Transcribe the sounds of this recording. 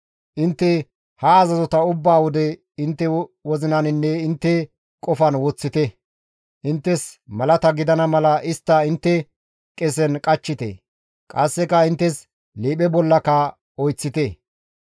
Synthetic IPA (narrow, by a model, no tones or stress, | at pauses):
ʔɪnt̪ːɛ | hɐːzɐzɔt̪ɐʊbːaːwɔd̪ɛ | ɪnt̪ːɛwɔzɪnɐnɪnːɛɪnt̪ːɛ | kʼɔfɐnwɔt͡sːɪt̪ɛ | ʔɪnt̪ːɛsmɐlɐt̪ɐɡɪd̪ɐnɐmɐlɐʔɪst̪ːɐɪnt̪ːɛ | kʼɛs̬ɛnkʼɐt͡ʃːɪt̪ɛ̰ | kʼɐsːɛkɐɪnt̪ːɛs | leːɓɛbɔlːɐkɐ | ɔjt͡sːɪt̪ɛ